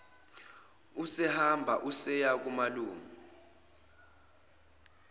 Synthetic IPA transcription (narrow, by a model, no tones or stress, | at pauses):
usɛhambʱaʔusɛjak̬umaluːmi